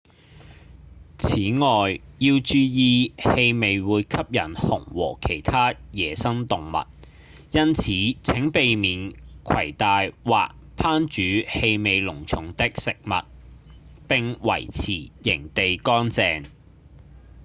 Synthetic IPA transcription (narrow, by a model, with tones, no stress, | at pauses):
t͡sʰiː˨˥ŋɔː˨jjiː˧wt͡ʃyː˧jiː˨˧he˧jme˨jwuː˨˧jkʰɐ˥p̚jɐ˨˩nhʊ˨˩ŋwɔ̰ː˨˩kʰe˨˩jt̪ʰaː˥jɛː˨sɐ˥ŋt̪ʊ˨ŋmɐ̰˨t̚ | jɐ˥nt͡sʰiː˨˥t͡sʰɪ˨˥ŋpe˨jmiː˨˩nkʰɐ˨˩jt̪aː˨jwaː˨k̚ | pʰaː˥nt͡ʃyː˨˥he˧jme˨˧jlʊ˨˩ŋt͡sʰʊ˨˥ŋt̪ɪ˥k̚sɪ˨k̚mɐ̰˨t̚ | pɪ˨˧ŋwɐ̰˨˩jt͡sʰiː˨˩jɪ˨˩ŋt̪e˨jkɔː˥nt͡sɛː˨ŋ